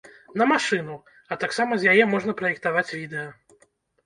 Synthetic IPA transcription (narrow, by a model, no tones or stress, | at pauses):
nɐmaʂɨnu | ɐt̪aksamɐzʲjajɛmɔʐnɐpɾɐjɛk̚t̪avat͡sʲvʲid̪ɛjɐ